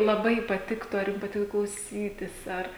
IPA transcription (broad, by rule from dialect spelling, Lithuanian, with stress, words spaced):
lˠɐˈbɐɪ pɐtʲɪkˈtʊ ɐr ˈjʊm pɐˈtʲɪkɐ klˠɐʊˈsʲiːtʲɪs ˈɐr